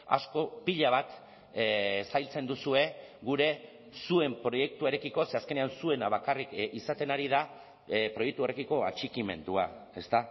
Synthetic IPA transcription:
a̰sko̞piʎaβ̞at̪ | sajlt͡se̞nd̪usue̞ɣuɾe̞ | sue̞mpɾo̞je̞k̚t̪ueɾekiko̞seaske̞neansue̞naβ̞akarikisat̪e̞naɾiða | pɾo̞jek̚t̪uo̞re̞kiko̞a̰t͡ʃikime̞̰nd̪ua̰e̞st̪a

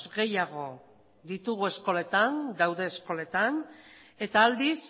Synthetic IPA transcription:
zɣe̞jaɣ̞o̞ | ðit̪uɣ̞ue̞sko̞le̞t̪and̪awðe̞ːsko̞le̞t̪ane̞t̪aːld̪is

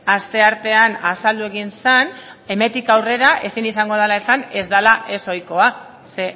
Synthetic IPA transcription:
ast̪e̞aɾt̪e̞anasald̪ue̞ɣinsan | e̞me̞nt̪ikawre̞ɾaʔe̞sinisaŋɡo̞ð̞alae̞sane̞zd̪alaʔe̞so̞jko̞a | se̞

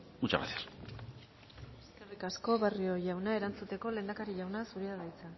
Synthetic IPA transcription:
ut͡ʃa̰ɾa̰θiar | eske̞rikasko̞βerio̞jawnae̞ɾant͡sut̪e̞ko̞le̞ːnd̪akaɾiʎawnasuɾiaɣajt͡sa

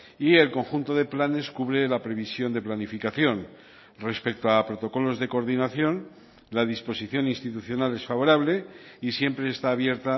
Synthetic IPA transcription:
ie̞lko̞ŋxunt̪o̞ðe̞plane̞skuβɾe̞lapɾe̞β̞isjo̞nd̪e̞planifikaθjo̞n | respe̞k̚t̪oapɾo̞t̪o̞ko̞lo̞zðe̞ko̞ɾðinaθjo̞n | lað̞ispo̞siθjo̞ninst̪it̪uθjo̞nale̞sfaβo̞ɾaβle̞isje̞mpɾe̞ːst̪aːβje̞ɾt̪a

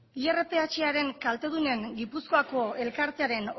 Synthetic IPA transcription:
ieret̪e̞at͡ʃeaɾe̞ŋkalt̪e̞ð̞une̞ŋɡipusko̞ako̞e̞lkaɾt̪e̞aɾe̞n

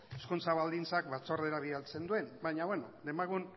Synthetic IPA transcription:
eskunt͡saβald̪int͡sak̚βat͡so̞re̞ɾaβialt͡se̞nd̪ue̞nbajɲaβenod̪emaɣun

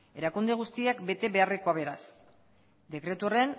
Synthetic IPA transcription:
e̞ɾakund̪e̞ɣ̞ust̪iakbe̞t̪e̞βe̞areko̞aβ̞e̞ɾas | d̪e̞kɾe̞t̪uoren

